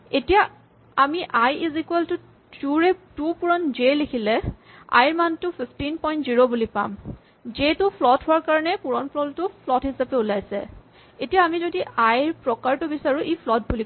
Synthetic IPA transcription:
etija | amiʔajizikuɛltʊ | d͡ʒuɹɛtupuɹɔnzelekʰilɛ | a̰jɹmantʊpʰipʰtinpɔjntziɹobulipa̰m | zetʊpʰlɔtɦʊwaɹkaɹɔnɛpuɹɔnpʰlɔltʊpʰlɔtɦhisapɛʊlajsɛ̰ | etijaːmizodiʔajɹpɹɔkaɹtʊbisaɹuʔipʰlɔt̚buli

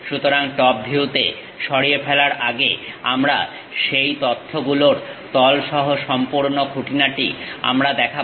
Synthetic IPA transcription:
ʃut̪oɾaŋʈɔp̚bʱiut̪ḛ | ʃɔɾiefʰɛlaɾʔaɡḛamɾa̰ | ʃejt̪ot̪ʰːoɡuloɾt̪ɔlʃɔɦoʃɔmpuɾnokuʈinaʈḭa̰mɾad̪ɛkʰa

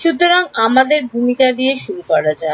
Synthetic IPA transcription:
ʃut̪ːoɾaŋamad̪eɾbʱumikad̪ieʃuɾukɔɾad͡ʑae

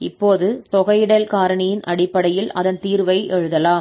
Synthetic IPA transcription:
ɪpːoːðɯt̪ɔɣɐjɪɽɐlkaːɾɐɳɪjɪnʔɐɽɪpːɐɽɐjɪlɐ̰ðɐnt̪iːɾʋɐɪʔɛɻɯðɐlaːm

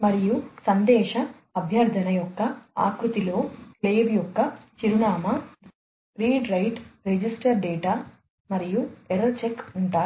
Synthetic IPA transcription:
mɐɾijusɐnd̪ɛːʃɐː | bʱjɐɾd̪ʱɐnɐjɔkːɐa̰ːkɾut̪ilo̞ːkleːbjɔkːɐt͡ʃiɾuɳaːmɐ | ɾiːɖɾɐjʈɾed͡ʒisʈɐɾɖeːʈaː | mɐɾijueɾɐt͡ʃekːuɳʈaː

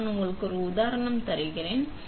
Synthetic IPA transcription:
nʊŋɡɐɭɯkːɯɔɾɯʊðaːɾɐɳɐmt̪ɐɾɯɣɪɾeːn

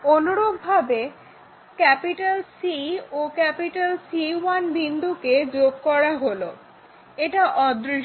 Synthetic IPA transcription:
onoɾoɡ̚bʱabe | kɛpiʈalsiokɛpiʈalsiwanbind̪ʱuked͡ʑoɡ̚kɔɾaɦolo | eʈaʔɔd̪ɾi

